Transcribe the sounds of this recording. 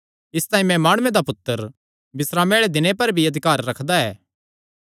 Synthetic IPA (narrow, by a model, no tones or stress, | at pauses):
ɪst̪aːĩmɛ̃maːɽ̃ʊẽd̪apʊt̪ːəɾ | bɪsɾaːmeːɭed̪ɪnepɐɾbʱiɐd̪ʱɪkaːɾːɐkʰd̪aɛː